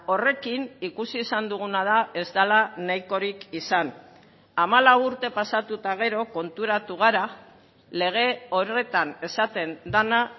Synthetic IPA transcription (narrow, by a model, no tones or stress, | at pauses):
o̞re̞kinikusiːsand̪uɣ̞unað̞ae̞zd̪alanajko̞ɾikisan | amalawuɾt̪e̞pasat̪ut̪aɣ̞e̞ɾo̞ko̞nt̪uɾat̪uɣ̞aɾa | le̞ɣ̞e̞o̞ɾe̞t̪ane̞sat̪e̞nd̪ana